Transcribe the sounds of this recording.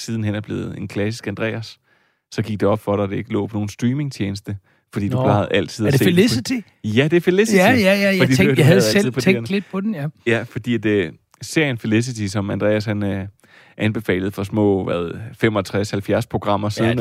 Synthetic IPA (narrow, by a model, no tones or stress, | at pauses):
siːðˠn̩henæb̥le̝̰ːð̩ˠe̝nkʰlæsisɡ̥ænd̥ʁɛ̰ːæsː | ɒ̽ɡ̥iɡ̥̚d̥e̝ɒ̽b̥fɒ̽ɾɑ̈de̝e̝ɡ̥əlɔ̰ːpʰɒ̽no̝ːn̩sd̥ʁiːme̝ŋt͡ɕʰjeːnəsd̥ə | fɒ̽d̥ḭːdupʰlɑ̈ɪð̩ˠæl̰t͡sʰið̞̰ˠse̝̰lisit͡sʰi | jæd̥e̝felesit͡sijææd̥ḭ̥ːdæðˠeið̩̰ˠpɒeŋ̥led̥̚pʰɒ̽denjæfɒ̽d̥ḭːæd̥ | se̝ɐ̰jənfeles̬it͡sʰisɒ̽mænd̥ʁɛ̰ːæshæn | ʔænb̥e̝fɛ̰ːlð̩ˠfɒ̽smɔ̰̽ːʋæðˠfem̰ɒt͡sʰʁashælfjæɐspʰo̝ɡ̥ʁɑ̈m̰ɐsiðˠn